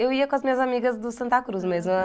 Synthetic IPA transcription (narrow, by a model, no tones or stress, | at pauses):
ewiɐkõɐzmĩɲɐzamiɣɐzd̪usɐ̃nt̪akɾuzmezmɐ